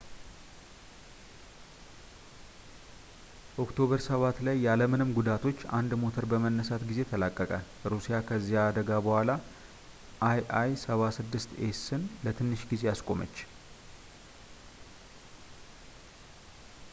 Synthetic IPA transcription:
o̞kt̪ʰo̞βəɾsəβat̪lajːaləmɨnɨmɡud̪at̪ʰo̞t͡ʃːa̰nd̪mo̞t̪ʰəɾbəmənːəsat̪ɡize̞t̪ʰəlakʼːəkʼə | ɾusijakʰəzːijaːd̪əɡabəhʷala | ʔajʔajsəβasɨd̪ːɨst̪esɨnlət̪ʰɨnːɨʃɡize̞jaskʼo̞mə̰t͡ʃː

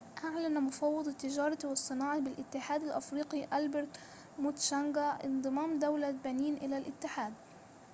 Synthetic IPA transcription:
ʔaʕlanmʊfɑwːɑd̪ˤt̪ːɪd͡ʒɑːɾˤɑt̪iwɑsˤːɨnɑːʕɑbɪlʔɪt̪ːɪħaːd̪alʔafɾiːqiʔalbɪɾt̪ | mut̪ʃaŋɡaʔɪ̰nd̪ˤɨmaːmd̪awlabaniːnʔɪlalʔɪt̪ːɪħaːd̪

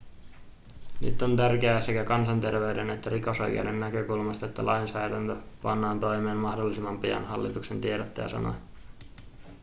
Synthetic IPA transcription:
ny̰t̪ːont̪ærke̞æːse̞kækɑnsɑnt̪e̞rʋe̞ɥdene̞t̪ːæɾiko̞so̞j̰kḛde̞nːækø̞kulmɑst̪ɑe̞t̪ːæ̰lʔɑjnsɑːdænt̪øpɑ̰nːɑːnt̪o̞jme̞ːnmɑhdo̞lːisimːɑmpijɑ̰nhɑlːit̪ukse̞nt̪ieɾɑt̪ːæjɑ̰sɑ̰no̰

